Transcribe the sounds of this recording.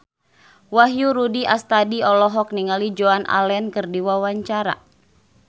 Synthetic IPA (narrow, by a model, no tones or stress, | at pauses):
waɦjuɾudiʔast̪adiɔlɔɦɔk̚niŋalid͡ʒoanʔa̰lɛnkɨrdiwawaɲt͡ʃaɾa̰